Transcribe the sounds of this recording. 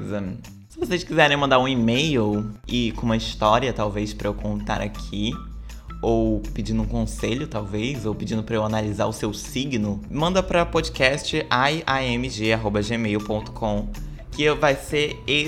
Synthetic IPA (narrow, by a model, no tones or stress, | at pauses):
zɐ | sɪvosejskizɛɾẽj̃mɐ̃nd̪aɾũimejʊɪkõũmɐist̪ɔɾiɐt̪awvejspɾɐewkõnt̪a̰ɾa̰kʰi | owpid͡ʒĩnd̪ũkõseʎʊt̪awvejzowpid͡ʒĩnd̪ʊpɾɐewanaliza̰ɾʊsewsiɡnʊmɐ̃nd̪ɐpɾɐpod͡ʒikɛst͡ʃɪʔaiaẽmiʒeaɦobɐʒemejupõnt̪ʊ̥kʰõw̃ | kɪvajseɾe